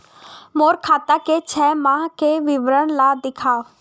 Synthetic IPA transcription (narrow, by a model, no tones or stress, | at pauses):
moːɾkʰaːt̪aket͡ʃʰɛːmãːkeʋɪʋɾəɽ̃laːd̪ɪkʰaː